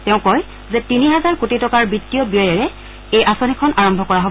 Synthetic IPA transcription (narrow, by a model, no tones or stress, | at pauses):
tɛʊ̃kɔj | zɛtiniɦɛzaɹkutitɔkaɹbitːijɔbiɔjaɹɛ | ejʔasɔnikʰɔnʔaɹɔmbʱɔkɔɹaɦob